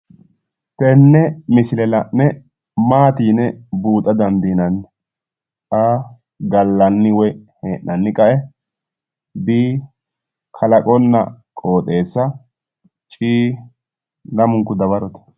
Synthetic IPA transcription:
t̪ɛnːɛmɪsɪlɛlɐʔnɛ | maːt̪iːnɛbuːt̪ʼːɐd̪ɐnd̪iːnɐn | a | ɡɐlːɐnːɪwɔheːʔːɐnːɪkʼɐʔɛ | biː | kʰɐlɐkʼɔnːɐ̰kʼo̞ːt̪ʼe̞ːsːɐ | t͡ʃʼiː | lɐmʊŋkːʊd̪ɐβɐɾɔt̪ɛ̥

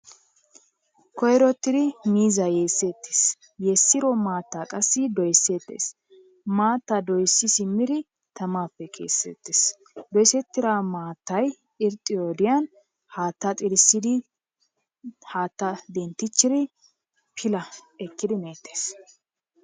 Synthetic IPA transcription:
kɔjɾɔt̪ːɪd̪ɪmiːzɐjeːsːet̪ːe̥s | jɛsːɪɾɔmaːt̪ːakʼɐsːɪd̪ɔjsːeːt̪ːḛːs | maːt̪ːɐd̪ɔjsːɪsɪmːɪd̪ɪ | t̪ɐmaːpːɛkʰe̞̰ːsːɛ̰t̪ːeːs | d̪ɔjsɛt̪ːɪɾaːmaːt̪ːɐj | ɪɾt̪ʼːɪjɔd̪ɪjɐn | haːt̪ːɐt̪ʼɪɾɪsːɪd̪ɪ | haːt̪ːɐd̪ɛnt̪ːɪt͡ʃːɪɾɪ | pʰɪlɐɛkːɪd̪ɪmeːt̪ːe̥ːs

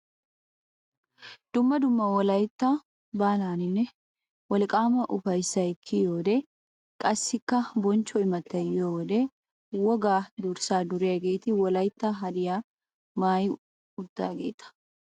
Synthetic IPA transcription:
d̪̥ʊmːɐd̪ʊmːɐwɔlɐjt̪ːa | baːlaːnɪnːɛ | wɔlɪkʼaːmɐʔʊfɐjsːɐjɪkʰːɪjoːd̪e | kʼɐsːɪkːɐbɔnt͡ʃːɔɪmɐt̪ːɐjoːd̪e | wɔɡaːd̪uɾsaːd̪ʊɾɪjɐɡe̞ːt̪ɪwɔlɐjt̪ːaɦɐd̪ɪjaː | maːjɪ | ʊd̪ːa̰ːɡḛːt̪ɐ̥

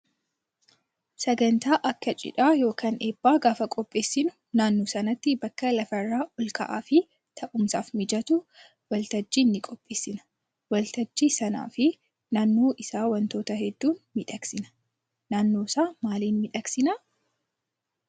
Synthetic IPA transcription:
sɐɡɐnt̪aːʔɐkːɐt͡ʃʼɪ̰ᶑaːjo̞ːkɐːneːbːaːɡaːfɐkʼɔpʼːe̞ːsːɪnʊ̥ | naːnːoːsɐnɐt̪ːɪbɐkːɐlɐfɐrːaːʔɔlkɐ̰ʔa̰ːfɪ | t̪ʰɐʔʊmsaːfmɪd͡ʒɐt̪ʊ | wɐlt̪ɐd͡ʒːiːnːɪkʼɔpʼːe̞ːsːɪnɐ̥ | wɐlt̪ɐd͡ʒːiːsɐna̰ːfɪ | naːnːoːʔɪsaːwɐnt̪o̞ːt̪ɐɦɛd̪ːuːnmɪᶑɐksɪnɐ̥ | naːnːo̞ːsaːmaːliːnmɪᶑɐksɪnɐ

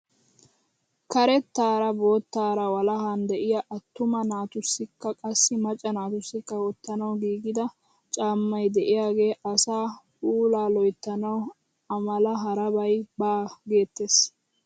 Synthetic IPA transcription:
kɐɾɛt̪ːaːɾɐbo̞ːt̪ːaːɾɐwɐlɐhɐnd̪ɛʔɪjaʔɐt̪ːʊmɐnaːt̪ʊsːɪkːɐkʼɐsːɪmɐt͡ʃʼːɐnaːt̪ʊsːɪkːɐwɔt̪ːɐnɐwɡiːɡɪd̪ɐ | t͡ʃʼaːmːɐjd̪ɛʔɪjaːɡe̞ːʔɐsaːpuːlaːlɔjt̪ːɐnɐw | ɐmɐlɐɦɐɾɐbɐjbaːɡeːt̪ːeːs

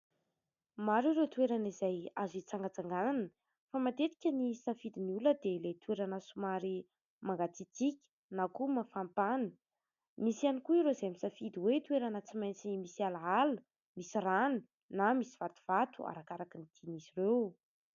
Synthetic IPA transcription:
maɾiɾet̪ueɾanizajazit͡saŋɡat͡saŋɡanan | famat̪et̪i̥kʲənisafid̪iniuləd̪elet̪ueɾanasumaɾi | maŋɡat͡sit͡sikʲə̥ | nakumafampanə̥ | misianikuiɾozamisafid̪iwet̪weɾanət͡simajnt͡sinimisialaalu̥ | misirani̥ | namisi̥v̥at̪u̥v̥at̪ua̰ɾakaɾakinid̪̥ʰinizirew

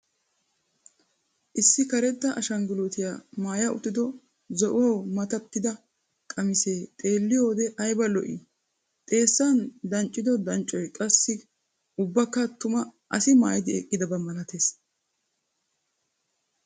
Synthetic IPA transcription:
ʔɪsːɪkɐɾɛd̪ːɐʔɐʃɐŋɡɪlut̪ɪjaːmaːjɐʊ̰t̪ːɪd̪ɔ | zɔʔoːmɐt̪ɐt̪ːɪd̪ɐ | kʼɐmɪse̞ːt̪ʼe̞ːlːɪjo̞ːd̪ɛʔɐjbɐlɔ̰ʔḭ | t̪ʼe̞ːsːand̪ɐnt͡ʃʼːɪd̪ɔd̪ɐnt͡ʃʼːɔjkʼɐsːɪ | ʊbːɐkːɐt̪ʊmɐ | ɐsɪma̰ːjɪd̪ɪɛkʼːɪd̪ɐbɐmɐlɐt̪e̞ːs

